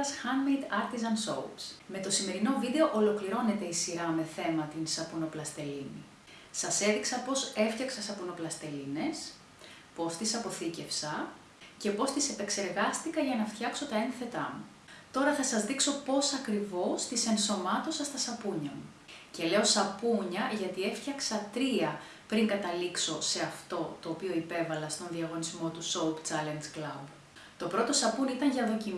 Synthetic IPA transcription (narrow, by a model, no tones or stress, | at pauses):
ɐsxɐnmejd̪ɐɾt̪izɐnso̞̰wsme̞t̪o̞sime̞ɾino̞viðe̞o̞ʔolo̞kliɾo̞ne̞t̪e̞isiɾɐme̞θe̞mɐt̪insɐpuno̞plɐst̪e̞linḭ | sɐse̞ðiksɐpo̞se̞ft̪çɐksɐsɐpuno̞plɐst̪e̞line̞s | po̞st̪isɐpo̞θice̞fsɐ | ce̞po̞st̪ise̞pe̞kse̞ɾɣɐst̪ikɐʝɐnɐft̪çɐkso̞t̪ɐenθe̞t̪ɐmu | t̪o̞ɾɐθɐsɐzðikso̞po̞sɐkɾivo̞st̪ise̞nso̞mɐt̪o̞sɐst̪ɐsɐpuɲɐmu | ce̞le̞o̞sɐpuɲɐʝɐt̪ie̞fçɐksɐt̪ɾiɐ | pɾiŋɡɐt̪ɐlikso̞se̞ɐft̪o̞t̪o̞ːpio̞ipe̞vɐlɐst̪o̞nðiɐɣo̞nizmo̞t̪usowpt͡sɐlend͡zklɐb | t̪o̞pɾo̞t̪o̞sɐpunit̪ɐŋʝɐðo̞ci